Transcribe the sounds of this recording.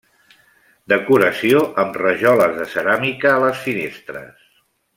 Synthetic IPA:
d̪əkuɾəsioʔəmrəʒɔləzðəsəɾamikəːləsfinest̪ɾə̰s

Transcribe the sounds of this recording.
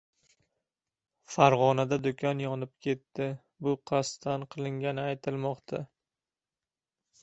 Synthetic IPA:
faɾʁɒnad̪ad̪ʊkʲʰɒnjɒnɪp̚kʲʰe̞t̪ːɪ | bʊqʰɑast̪ʰanqʰɨlˠɪŋɡʲanɪajt̪ʰɪlmɒqt̪ʰa

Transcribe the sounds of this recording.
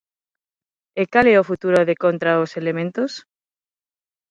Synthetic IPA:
ekalɛofut̪uɾoðekont̪ɾaoselemẽnt̪os

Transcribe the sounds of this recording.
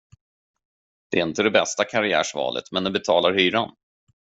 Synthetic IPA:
d̪̥ɛæɾɪnt̪əd̪ɛbɛst̪akʰaɾɪæ̰ːʂvɑ̰ːlʔə̰t̪mɛnd̪ɛbɛt̪ʰɑːlaɾhyːɾan

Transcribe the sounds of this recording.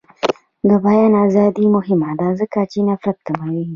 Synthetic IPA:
d̪əbajanazaːd̪imʊɦɪmad̪aːzəkat͡ʃinɐfɾɐt̪̚ːɐmawi

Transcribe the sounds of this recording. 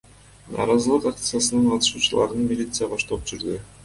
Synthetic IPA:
nɑ̰ːɾɑzɯlˠɯqak̚t̪sɨjasɯnɯɴqʰɑt̪ɯ̥ʃuːt͡ʃulˠɑ̰ɾɯnmʲilʲit̪sɨjabɑʃt̪oup̚d͡ʒyɾd̪ʏ

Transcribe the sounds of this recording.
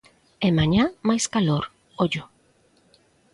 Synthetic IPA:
emaɲãmajskaloɾ | oʎʊ

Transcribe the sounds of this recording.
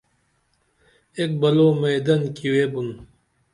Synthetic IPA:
eːk̚bɐloːmɐjd̪ɐnkiweːbun

